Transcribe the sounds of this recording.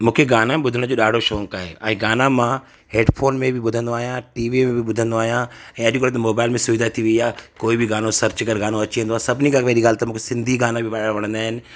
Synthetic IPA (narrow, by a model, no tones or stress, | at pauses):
mũːkʰeɡaːnãmẽɓʊd̪ʱəɽ̃d͡ʑoːɗaːɖʱoʃoːŋkaːɦḛa̰ːɦĩɡaːnãmã | ɦeːɖpʰoːnmẽbʱɪɓʊd̪ʱənd̪oaːɦijãʈiːʋimẽbʱɪɓʊd̪ʱə̃nd̪oaːɦijãɛ̃ːɐʄkoːlt̪ɐmoːbaːɪlmẽsʊʋɪd̪ʱat̪ʰiʋɐiaːkoːibʱɪɡaːnõsɐɾt͡ɕkəɾɡaːnõɐt͡ɕiẽnd̪oaːsɐbʱnikãʋeːɾiɡaːlt̪ɐmũːkʰesɪ̃nd̪ʱiɡaːnãbʱɪʋaɽʋɐɽ̃ə̃nd̪aːɦɪnɪ̆